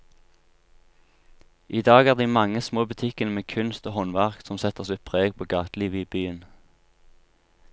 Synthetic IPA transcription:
ʔiːd̪ɑːɡæːʁd̪iːmɑŋəsmoːbʉt̪ʰɪkənmeːkʰʉnst̪oːhɔnʋæʁksɔmsɛt̪əsʊp̚pʰʁeːɡpʰoːɡɑːt̪liːʋiːbyːən

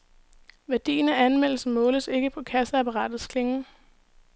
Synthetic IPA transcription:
ʋæɐd̥ḭːnəænmel̰sn̩mɔ̽ːləse̝ɡ̥əpʰɒ̽kʰæsəæpʰɑ̈ʁɑ̰̈ːd̥ð̩ˠskʰle̝ŋə

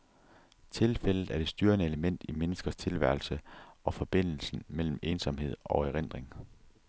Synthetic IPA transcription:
t͡sʰe̝lfel̰ð̩ˠæɐd̥e̝sd̥yːɐnəe̝ləmen̰d̥imenəsɡ̥ɐst͡sʰe̝lʋæɐlsəʔɒ̽fɒ̽b̥e̝n̰l̩sn̩mel̰m̩e̝ːnsɑmhe̝ð̞̰ˠɒ̽æʁen̰d̥ʁeŋ

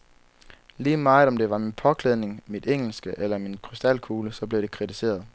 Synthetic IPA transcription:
liːmɑ̈ɪð̩ˠɒ̽md̥e̝ʋɑ̈minpʰɒ̽kʰleðˠne̝ŋmid̥eŋ̰l̩sɡ̥əʔelɐminkʰʁisd̥æl̰kʰuːləsɒ̽b̥le̝d̥e̝kʰʁit͡sʰise̝̰ːɐð̞ˠ

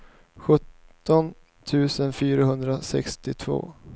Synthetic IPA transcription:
ɧɵt̪ː | ɔn | t̪ʰʉ̟ːsənfyːɾaɦɵnd̪ɾasɛ̰kst̪ɪt̪ʰvo̰ː

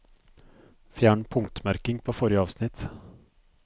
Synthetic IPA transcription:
fjæːɳpʰʊŋkt̪mæɾkɪŋpʰɔfɔɾɪjəɑːʋsnɪt̪

